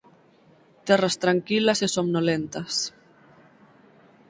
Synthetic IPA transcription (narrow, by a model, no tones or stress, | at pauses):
t̪ɛrast̪ɾaŋkilasesomnolent̪as